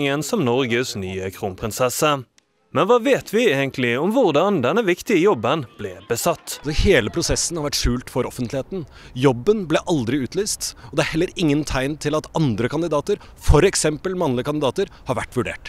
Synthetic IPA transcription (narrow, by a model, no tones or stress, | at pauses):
ŋənsɔmnɔɾɡəsnyːəkʰɾuːnmpʰɾɪnsɛsə | mɛnʋɑːʋeːt̪ʰʋɪeːɡənt̪ʰlɪɔmʋʊʁd̪ɑnd̪ɛnːəʋɪkt̪ɪəjɔbːənb̥lɛbəsɑt̪ːsɔheːləpʰɾʊsɛsːn̩hɑɾʋæʈʂʉːlt̪fɔɾɔfənt̪lɪheːt̪n̩jɔbːənblɛʔɑld̪ɾɪʉːt̪ʰlyːst̪ɔd̪ɛæɾhɛlːəɾɪŋːənt̪ʰæɪnt̪ʰɪlɑt̪ɑnd̪ɾəkʰɑnd̪ɪd̪ɑːt̪əɾ | fɔɾɛksɛmpəlmɑnlɪəkʰɑnd̪ɪd̪ɑːt̪əɾhɑɾʋæʈːʋʉɖḛːʈ